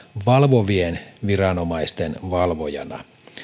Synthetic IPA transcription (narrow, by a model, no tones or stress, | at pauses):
ʋɑlʋoʋienʋirɑno̞mɑist̪enʋɑlʋojɑ̰nɑ̰